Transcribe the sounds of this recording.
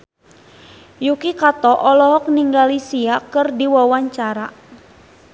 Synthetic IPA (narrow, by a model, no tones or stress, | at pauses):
jukikat̪ɔʔɔlɔɦɔk̚niŋɡalisiakɨrdiwawaɲt͡ʃaɾa